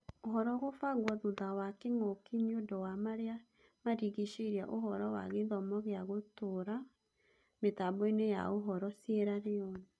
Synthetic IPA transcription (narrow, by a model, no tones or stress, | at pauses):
oɦɔɾɔɣofaɣwɔðuðawakeŋokiɲiodɔwamaɾea | maɾiɣiʃeɾja̰ʔoɦɔɾɔwa̰ɣeðɔmɔɣeaɣotoɾa | metabɔineja̰oɦɔɾɔsjeɾaɾeɔna